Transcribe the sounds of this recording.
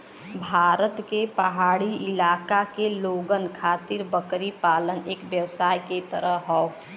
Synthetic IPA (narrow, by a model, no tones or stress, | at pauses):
bʱaːɾət̪kepəɦaːɽiɪlaːkakeloːɡənkʰaːt̪ɪɾbəkɾipaːləneːkʋjəwsaːjket̪əɾəɦɦɔo